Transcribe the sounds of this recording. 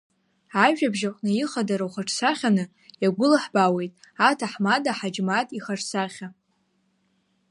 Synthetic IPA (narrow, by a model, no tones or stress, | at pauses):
aʒᶣabʒaqʷʼnɨjiχadaɾawχaʈ͡ʂʰʼsaχʲanɨ | jaɡʷʊlaħbawe̞jtʼatʰaħmadaħad͡ʒmatʼiχarsaχʲa